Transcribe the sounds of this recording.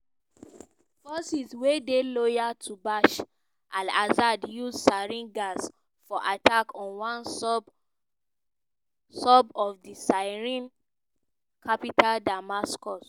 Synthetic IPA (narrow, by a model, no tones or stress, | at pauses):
fɔsiswedelojatʰubaʃ | ʔãlazadjuzsaɹĩnɡas | fɔʔatakʰɔ̃nwãn | sɔbɔfdisaɪɹĩn | kʰapitʰaldamaskɔs